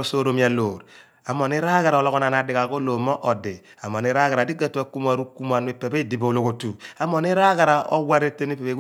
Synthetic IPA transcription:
o˦so˦ɾo˦mi˨a˨loː˨ɾ | a˨mo˨ni˦ɾa˦ɡa˨ɾa˨o˨lɔ˦kɔ˦na˨na˨di˨ka˨ko˦lo˨mɔ˦ʔɔ˨di˨ | a˨mo˨ni˦ɾa˦ɡa˨ɾa˨di˦ɡa˦tu˦a˦ku˦m˦a˨ɾu˦ku˦m˦a˨n˦e˦pe˨be˦˨di˨bo˨lo˨ko˨tu˨a˨˦mo˨ni˦ɾa˦ɡa˨ɾa˨ʔo̰˦wa˦ɾe˦te˦ni˦pe˨pe˨˦

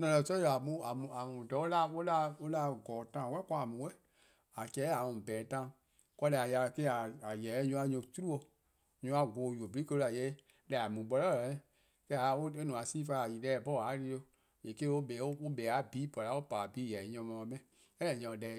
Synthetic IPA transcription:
nã˧˨lɛ̃˨sɔ˦˨a˨mũ˧˦a˨mũ˨a˨mũ˨dɔ˨o˦la˦o˦la˦o˦la˧˦ɡɔː˨tã˦˨wɛ˦kã˧˦a˨mũ˨˦wɛ˦ | a˨kɛ˨˦a˨mũ˨bɛː˨˦tã˧˦˨ | kɔ˧˦lɛ˧˨a˨ja˧˨ke˦a˨a˨jɛ˨˦ɲũ˧˦a˧ɲũ˧˦tu˦u˦o˧˨ | ɲũ˧˦a˧ɡoː˨ju˨o˨bi˨˦i˦kə˧u˧a˨jɛ˨˦ | lɛ˨a˨mũ˨ɓɔ˧lɔ˦˨ɛ̃˦˨ | kɛ˧˦a˨˦o˦e˦nũ˨a˨sĩː˦fa˧˦a˨ji˨dɛː˨bɔ˦˨a˨˦li˧˦o˧ | e˨ke˦o˦bɛ˨˦o˦o˦bɛ˨˦a˨˦biː˨˦pɔ˨la˨˦o˦pa˨biː˨˦jɛ˨˦ɲɔ̃˧mɔ̃˨˧˦mɛ̃˧˨ | ɛ̃˦ɛ̃˨ɲɔ̃˧˨dɛ˨

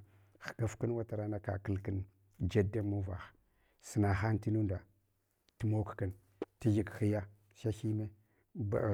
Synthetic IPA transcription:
xɡa˨fkə˦nwa˦ta˨ɾa˦na˦ka̰˨kə˦lkə˦n | d͡ʒa˦da˦mu˦va̰˨x | sə˨na˨xa˦n˦ti˦nu˦nda˨ | ti˦mo˦kki˨n | ti˦d͡ʒi˨kxi˦ja˦ | ʃa˦xi˦me˦ | ba̰˨

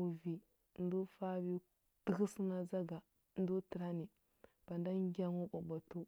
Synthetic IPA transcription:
u˨vi˨ | n˦du˦fa˦bi˦ | ti˦xi˦su˦na˦za˦ɡa˨ | n˦du˦tə˨ɾa˦ni˨ | b̥a˨nda˦ŋ˦ɡʲa˦ŋu˦ɓa˨ba˨tu˦

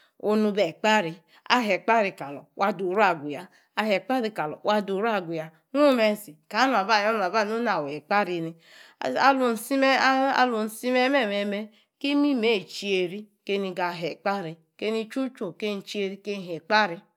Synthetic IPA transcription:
o˦nu˧be˨k͡pa˦ɾi˨ | a̰˦ɦe˨k͡pa˦ɾi˨ka˨lɔ̰˨wʔa˦du˨ɾu˦a˨ɡʷu˨ja˦ | a˨ɦe˨k͡pa˦ɾi˨ka˨lɔ̰˨wʔa˦du˨˦ɾu˦a˨ɡʷu˨ja˨ | nu˦me˦si˨ka˨˦nu˨a˨ba˦˨jo˦n˨a˨ba˦˨u˦na˨we˨k͡pa˦ɾi˨ni˨ | a˨lu˨n̩˨si˦me˦a̰˦lu˨n̩˨si˦me˦me˦˨me˨˦me˦ | ke˦mi˦me˦˨t͡ʃi˦e˨ɾi˦ | ke˦ni˨˧ɡa˨ɦe˨k͡pa˦ɾi˨ | ke˦ni˦t͡ʃu˦t͡ʃo˦˨ke˦n̩˨t͡ʃi˦e˦ɾi˦ke˦n˦˨ɦe˨k͡pa˦ɾi˧

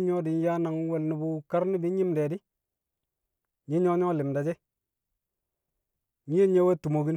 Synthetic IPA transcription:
ɲo˦di˨n˦ja˦na˨ŋ˦wɛ˨lni˨bu˦ka˦ɾni˦bi˦ɲi˦mde˨di˦ | ɲi˦ɲo˦ɲɔ˦lɪ˨mda˨d͡ʒe˦ | ɲi˦je˦ɲe˦we˦tu˨mo˨ɡi˦n

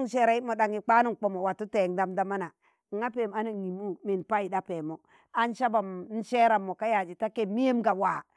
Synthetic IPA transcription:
ŋ˨ʃe˨ɾa˨i˦mo˨da˨ŋi˨k͡pa˦nu˦ŋ˨k͡po˨mo˨wa˨tu˦te˨ŋda˦mda˦ma˦na˨ | ŋa˦pe˨m˨a˦na˨ŋi˨mu˦mi˨npa˦i˨da˦pe˨mo˨ | a˦n˦ʃa˦ba˨m˦n̩˦ʃe˦ɾa˨mːo˨ka˦ja˨d͡ʒi˨ta˦ke˦˨mːi˦je˦mɡa˨waː˨

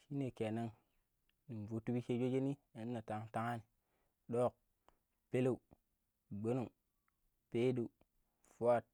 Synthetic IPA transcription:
ʃi˦ne˨ke˨na˦ŋ | ni˨n˨vo˨tu˦bi˦ke˦d͡ʒo˦d͡ʒe˦ni˦a˨n˦nːa˨ta˨ŋta˦ŋa˦ni˨ | ɗo˦k̚ | pe˦le˦˨u˨ | ɡ͡be˦no˨ | pe˦du˨u˨ | fu˦a˦˨t̚

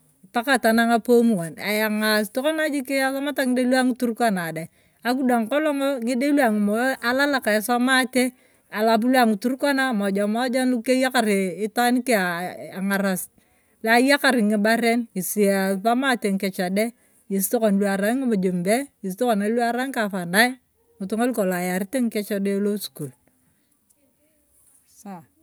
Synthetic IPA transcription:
ta˦ka˦˨ta˨na˦ŋa˦po˦mu˨wa˨na̰˨ja˨ŋa˨sto˦kɔ˦na˦d͡ʒi˦ki˦a˦sa˦ma˦ta˦ŋɪ˦de˦lwa˦ŋi˦tu˦ɾka˦na˨da˨ | a˦k̬u˦da˨ŋkɔ˦lɔ˦ŋɔ˦ŋɪ˦de˦lwa˨ŋɪ˨m˨˦a˦la˦la˦ka˨a˨˦sa˦ma˦te˦ | a˨la˨p̬u˦lwa˨ŋi˨tu˦ɾkwa˦na˦mɔ˨d͡ʒa˨mɔ˦d͡ʒa˦nu˦ke˦ja˦ka˨ɾɪ˨ɪ˦ta˦ni˦ke˦a˨a˨ŋa˨ɾa˨s | la˨˦ja˦ka˨ɾɪ˨ŋɪ˨ba˦ɾe˦ni˨si˨a˨sa˦ma˦te˨ŋ˨kɛ˨t͡ʃa˨de˦ | ji˨s̬to˦ko˨n˨lwa˨ɾa˨˦ŋɪ˦mo˨d͡ʒe˨mbe˦i˨s̬to˦ko˨na˨lwa˦ɾa˦ŋka˨fa˨na˦ | ŋʊ˨tu˦ŋo˦lko˨la˨ja˨ɾi˦te˦ŋ̩˦kɛ˦t͡ʃa˦de˦lo˦sku˨l | sa˨

